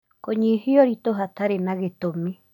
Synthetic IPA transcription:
koɲĩhioɾit̪oɦat̪aɾenãɡet̪omĩ

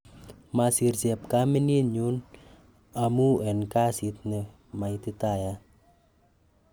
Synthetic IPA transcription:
masirsɛp̚kaməniɲun | amuɛnkasit̪̚nə | mait̪ət̪aja

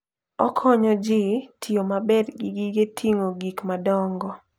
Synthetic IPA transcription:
ɔkʰɔɲɔd͡ʒɪtʰiomabɛdɡiɡiɡetʰiŋoɡikmadɔŋɡɔ

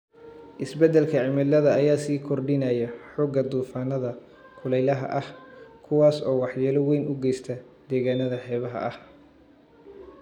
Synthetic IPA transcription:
ʔɪsbɛd̪ɛlkʰɐʕɪmɪlɐðɐːjaːsiːkʰɔrɖɪnaːjɐħɔːɡɐd̪uːfaːnɐðɐ | kʰʊlɛjlɐɦɐ̰ʔɐhkʰʊwaːsɔːwɑħjɛːlɐwɛjnʔʊɡɛjst̪ʰɐ | d̪̥ɛːɣaːnɐðɐħɛːβɐɦɐ̰ʔɐ̰h

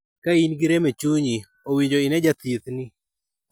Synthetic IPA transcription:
kainɡiɾemet͡ʃuɲi | owiɲd͡ʒoɪnɛd͡ʒat̪it̪nɪ

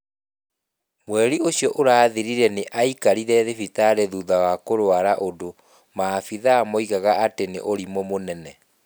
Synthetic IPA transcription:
mwɛɾioɕjɔʔoɾaːðiɾiɾɛneʔaikaɾiɾɛðefitaɾeðuðawakoɾwaɾaʔodo | maːfiðaːmɔiɣaɣaatenḛʔoɾimɔmonɛnɛ

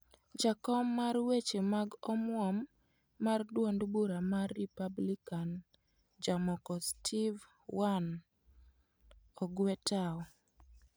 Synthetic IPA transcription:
d͡ʒakɔmːarwet͡ʃemaɡɔmwɔmː | ardwondbuɾamarːipablikan | d͡ʒamɔkɔstʰiv | wan | ɔɡwɛtʰaɔ

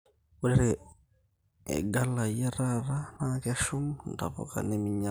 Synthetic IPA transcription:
uɾiɾe | ḛɡalajeɾaɾanakeʃuŋnta̰ko̰ka̰nemiɲa

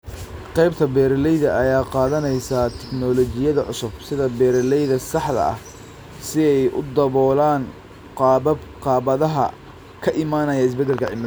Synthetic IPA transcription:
qɛjb̚t̪ʰɐbɛːɾlɛjðɐʔɐjaːqɑːðɐnɛjsat̪ʰɛknɔlɔt͡ʃɪjɐðɐʕʊ̰sʊbsɪðɐbɛːɾlɛjðɐsɑħðɐ̰ɐ̰h | sɪɛjʔʊ̰d̪ɐβɔːlaːn | qɑqɑːβɐðɐɦɐ̰ | kʰɐʔɪmaːnɐjɐɪs̬bɛd̪ːɛlkʰɐʕɪmɾ

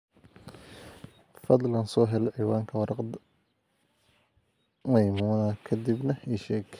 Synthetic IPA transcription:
fɐd̪lɐnsɔːɦɛlɐʕiːwaːŋkʰɐwɑɾɑqd̪ | mɐjmuːnɐkʰɐd̪ibnɐiːʃɛːɡ

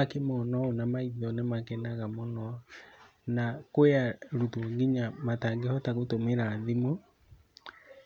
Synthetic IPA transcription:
akemɔnɔɔnamaiðɔnemakɛnaɣamonɔ | nakweaɾutoɡiɲamataɡehɔtaɣotomeɾaðimo

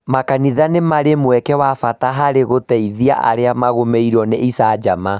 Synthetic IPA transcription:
makaniðanemaɾemwɛkɛwafataɦaɾeɣotɛiðia̰ʔa̰ɾeamaɣomeiɾɔneʔisad͡ʒama

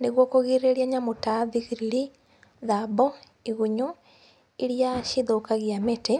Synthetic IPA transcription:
neɣwɔkoɣiɾeɾiaɲamotaðiɣiɾili | ðabɔ | iɣuɲo | eɾjaʃiðokaɣiamete

